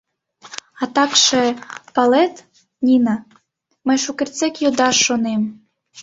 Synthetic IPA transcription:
ɑt̪ɑkʃepɑlˠɛt̪ | nʲinɑ | məjʃukɘrʲt͡sɛkjod̪ɑʃːonem

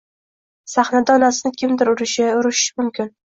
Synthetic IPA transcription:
saχnad̪aɒnasɪnɪkʲʰɪmd̪ɪɾʊɾɪʃɪʊɾɪʃɪmʊmkʲʰɪn

